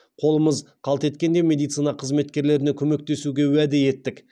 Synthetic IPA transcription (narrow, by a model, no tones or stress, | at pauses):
qʰo̞lˠəməzqʰɑlˠt̪e̞t̪kʲe̞nd̪e̞mʲe̞d̪ijt̪sɨjnɑqʰəzme̞t̪kʲe̞ɾle̞ɾɪnekʲʰɵme̞k̚t̪e̞suɡʲe̞wæd̪ɪje̞t̪ːɪk